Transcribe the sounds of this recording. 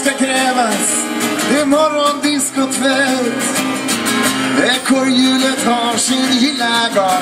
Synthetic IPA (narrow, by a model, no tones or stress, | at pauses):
skakʰɾɛːvas | ɪmɔɾɔnd̪ɪskʊt̪ʰvɛt̪ | d̪ɛkʰoɾjʉːlət̪hɑvsɪnjɪlːaɡɑ